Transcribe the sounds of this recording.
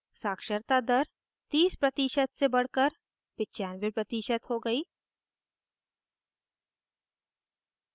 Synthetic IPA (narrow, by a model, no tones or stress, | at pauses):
saːkʃəɾt̪ad̪ɐɾ | t̪iːspɾɐt̪iːʃət̪sebɐɽ̤kəɾ | pɪtːt͡ʃaːnbipɾɐt̪iːʃət̪ɦoɡɐiː